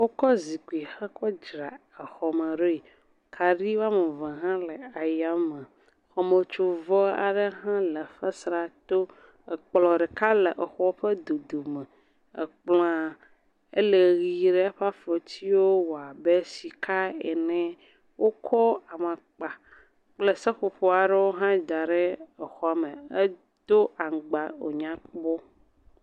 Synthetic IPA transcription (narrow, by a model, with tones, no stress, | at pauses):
wo˦kɔ˦zi˨ku˨i˨xɛ˦kɔ˦d͡ʒɾa˨ə˨xɔ˨mə̃˨ɖo˦i˨ | kʰa˨ɖi˦wa˦me˨vɛ̃˨ɦã˦lə˨a˨ja˨˦mə̃˨ | xɔ˨mə̃˨t͡ʃo˨vɔ˦a̰˨ɖe˦ɦã˦lə˨ɸə˦sɾa˨t̪o˦ | ə˨k͡plɔ˨ɖe˨ka˦lə˨ʔə˨xɔ˦ɸə˦d̪o˨d̪o˨mɛ̃˨ | ə̰˨k͡plɔ̃˦a˨ | ḛ˦le˨ɣi˨ɖe˦a˦ɸa˦fɔ˨t̪ʰi˦wo˦wo˨a˨be˦si˨kʰa˦ɛ̰˨nɛ̃˦ | wo˦kʰɔ˦a˨mã˨ | k͡pa˨ | k͡ple˦sɛ˦ɸo˨ɸɔ˦a˨ɖe˦wo˦ɦã˦d̪a˨ɖe˦ɛ˨xɔ˦˨mẽ˨e˦ | d̪o˦a˨ŋ˨ɡ͡ba˨o̰˨ɲã˨˦k͡pk͡pɔ˦